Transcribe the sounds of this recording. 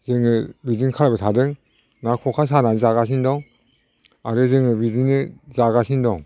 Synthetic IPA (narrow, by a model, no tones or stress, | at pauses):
zɯŋɯbidɯnkʰaɾbɯtʰadɯŋ | nakʰokʰas̬ananɯzaɣas̬indɔŋ | aɾɯzɯŋɯbidɯnɯzaɡasʰindɔŋ